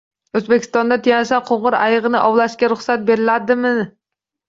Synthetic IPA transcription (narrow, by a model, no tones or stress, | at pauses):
ɵzbekʲi̥st̪ɒnd̪at̪ʰijansaqʰoɴʁʊɾæjɨʁɨnɪʔɒwlˠaʃkʲaɾʊχsat̪̚beɾɪlæd̪ɪmɪ